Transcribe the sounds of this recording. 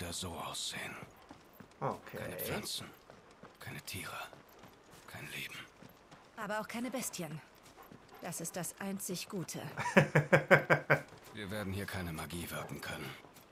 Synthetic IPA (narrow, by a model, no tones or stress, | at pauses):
daz̥oːʔaʊsz̥ḛːən | ʔokʰa̰ɪnəflant͡sn̩ | kʰaɪnətʰiːʁə | kʰaɪnlḛːb̚m̩ | ʔaːbɐaʊxkʰaɪnəbɛstçən | d̥asɪst̚d̥asʔaɪnt͡sɪçɡ̥uːtʰə̰ | viːɐveːɐdn̩hiːɐkʰaɪnəmaɡiːvɪɐkŋ̩kʰœnən